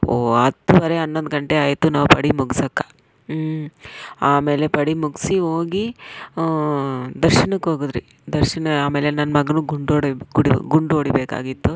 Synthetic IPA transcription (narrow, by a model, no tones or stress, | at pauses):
oːɐt̪ːuʋɐɾeɐnːond̪ɡɐɳʈeaːjt̪unaːʋupɐɽimuɡisɐkːɐ̥ | aːme̞ːle̞pɐɽimuɡsiɦoːɡi | d̪ɐɾʃɐnɐkːoːɡud̪ɾḭ | d̪ɐɾʃɐnɐaːme̞ːlenɐnːmɐɡɐnuːɡuɳɖoːɽiɡuɽḭɡuɳɖoːɽibeːka̰ːɡit̪ːu